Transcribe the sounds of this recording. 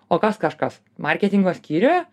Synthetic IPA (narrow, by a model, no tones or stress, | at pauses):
oːkɐskɐʃkɐs | mɐɾʲkʲɛt̪ʲɪŋɡoːsʲkʲiːɾʲoːjɛ